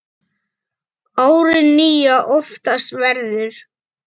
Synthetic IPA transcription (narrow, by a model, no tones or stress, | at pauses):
aːwɾɪnːiːjaʔɔft̪ast̪vɛɾðʏɾ̥